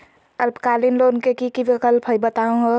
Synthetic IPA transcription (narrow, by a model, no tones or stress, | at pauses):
əlbkalinlonkekikiʋikəlpɦəjbət̪aũɦo